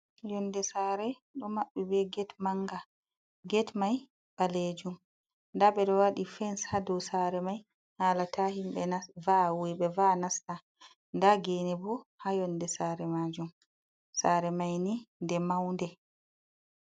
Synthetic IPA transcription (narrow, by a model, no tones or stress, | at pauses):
jɔndɛsaːɾɛ | ɗɔmaɓːɛbɛɡɛtmaŋɡa | ɡɛtmaj | ɓaled͡ʒum | ndaɓɛɗɔwaɗifɛnshadɔwsaɾɛmaj | haːlatahimɓɛnavawijɓɛvanasta | ndaɡeːnɛbɔhajɔndɛsaːɾɛmaːd͡ʒum | saɾɛmajnindɛmawndɛ